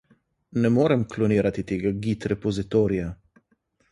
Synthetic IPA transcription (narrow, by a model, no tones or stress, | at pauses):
nɛmoːɾɛmklɔniːɾat̪it̪eːɡaɡit̪ɾɛpɔzit̪oːɾija